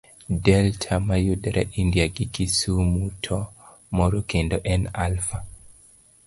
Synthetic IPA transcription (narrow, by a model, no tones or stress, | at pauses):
dɛltʰamajudɛɾaʔindijaɡikisumutʰɔ | mɔɾokendoʔɛnalfa